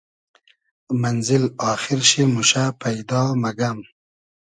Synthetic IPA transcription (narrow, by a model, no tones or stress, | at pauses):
manzɪlɑːxɪɾʃimuʃapajd̪ɑːmaɡam